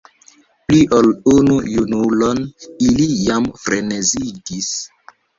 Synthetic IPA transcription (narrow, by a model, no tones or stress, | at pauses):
pliʔolunujunulonilijamfɾeneziɡis